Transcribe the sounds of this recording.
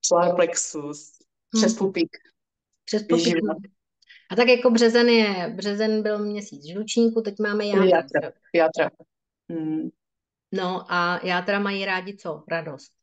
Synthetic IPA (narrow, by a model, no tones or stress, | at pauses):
flaɾplɛksus | r̥ɛspupɪk | pr̥ɛspbuɛʒima | ʔat̪akjako̞br̝ɛzɛnjɛbr̝ɛzɛnbɪlmɲɛsiːt͡sʒɾut͡ʃɲiːkut̪ɛcmaːmɛjajat̪ɾaa | jat̪ɾa | m̩ | noʔajaːt̪ɾamajiɾaːɟɪt͡soɾadost̪̚